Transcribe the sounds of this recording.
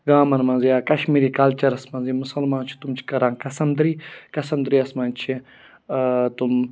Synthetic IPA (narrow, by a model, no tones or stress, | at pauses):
ɡaːmɐnmɐnzijaːkɐʃmiːɾikaːlt͡ʃɐɾɐsmɐnzimusɐlmaːnt͡ʃʰi̥t̪umt͡ʃʰi̥kɐɾãːnkɐsɐmd̪ɾiːkɐsɐmd̪ɾiɐsmɐnt͡ʃʰi | t̪um